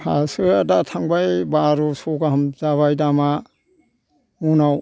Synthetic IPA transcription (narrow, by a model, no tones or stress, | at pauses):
hasɯadatʰaŋbajbaɾusɔɡaɦamzaβajdama | munaw